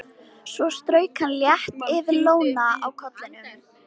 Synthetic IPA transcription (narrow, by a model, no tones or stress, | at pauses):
svɔst̪ɾœːɥkʰanljɛht̪ɪvɪloːwnaa̰wkʰɔt̪lɪn